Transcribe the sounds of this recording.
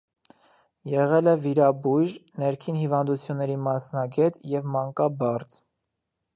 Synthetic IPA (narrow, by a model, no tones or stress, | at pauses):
jɛʁɛlɛviɾɑbujɾnɛɾkʰinhivɑnd̪ut͡sʰjunːɛɾimɑsnɑɡɛt̪jɛvmɑŋkɑbɑɾt͡s